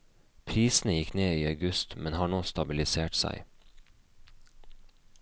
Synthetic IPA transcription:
pʰɾiːsn̩əjɪkneːiːɑʉɡʉst̪mɛnhɑːɳoːst̪ɑbɪlɪseːʈsæ̰ɪ

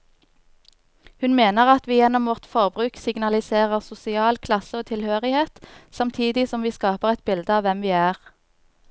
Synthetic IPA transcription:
hʉnmeːnəʁɑt̪ʋiːjɛnɔmʋɔʁt̪fɔʁbʁʉːksɪɡnɑlɪseːʁəʁsʊsɪɑːlkʰlɑsəoːt̪ʰɪlhøːʁɪheːt̪sɑmt̪ʰiːd̪ɪsɔmʋiːskɑːpəʁɛt̪̚bɪld̪əɑːʋɛmʋiːæːʁ

